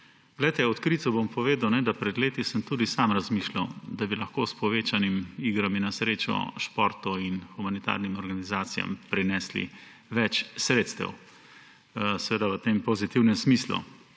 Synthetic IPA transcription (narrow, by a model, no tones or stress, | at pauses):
ɡ̥lɛjt̪ɛɔt̪kɾit̪sɔbompɔʋeːd̪əwnɛd̪apɾɛd̪leːt̪isəmt̪uːd̪isamɾazmiʃlawd̪abilɐxkoːspɔʋeːt͡ʃanimiːɡɾaminasɾeːt͡ʃɔ̰ʃpɔɾt̪ɔinxumanit̪a̰ːɾnimɔɾɡanizaːt̪sija̰mpɾinɛːslḭ | ʋɛt͡ʃsɾeːt̪st̪ɛ̰w | sɛʋeːd̪aʋət̪eːmpɔzit̪iwnɛmsmiːslṵ